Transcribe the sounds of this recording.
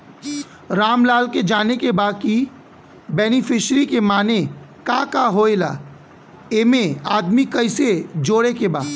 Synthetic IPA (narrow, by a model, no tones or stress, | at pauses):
ɾaːmlaːlked͡ʒaːnekebaːd̪̚ki | bɛːnɪfɪʃɾikemaːne | kãːkaɦoːela̰ː | eːmẽaːd̪mikɐɪsed͡ʒoːɽekeba̰ːd̪